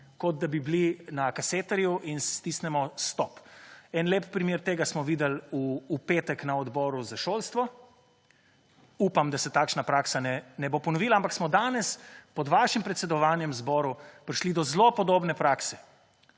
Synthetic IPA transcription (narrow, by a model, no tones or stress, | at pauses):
kɔd̪̚d̪abiblinakaseːt̪ɛɾjuʔinst̪isnɛmɔst̪ɔpɛnleːppɾimjeːɾt̪eːɡasmɔʋiːd̪ɛluːpeːt̪ɛknaɔd̪bɔːɾuzaʃolst̪ʋɔ | uːpamd̪asɛt̪aːkʃnapɾaksanɛnɛbopɔnɔʋiːlaampaksmɔd̪aːnɛspɔd̪ʋaːʃimpɾɛt̪sɛd̪ɔʋaːnjɛmzbɔɾupɾiʃlid̪ɔzlopɔd̪oːbnɛpɾaːksɛ̥